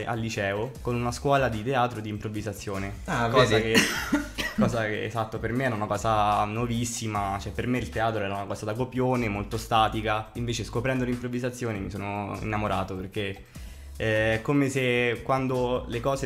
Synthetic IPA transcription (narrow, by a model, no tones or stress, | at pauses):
ʔa̰lːit͡ʃɛːokonunaskwɔːlad̪it̪eaːt̪ɾod̪iːmpɾovːizat̪sːjoːneakɔːzake | kːɔːzakeḛzat̪ːopermeɛːɾaunakɔːzanovisːimat͡ʃoɛpːermeilt̪eaːt̪ɾoɛːɾaunakɔːzad̪akopjoːnemolt̪ost̪aːt̪ikaiɱveːt͡ʃeskopɾɛnd̪olimpɾovːizat̪sːjoːnemisoːnoḭnːamoɾaːt̪operk̟e | ɛɛkːomesekwand̪olekɔːze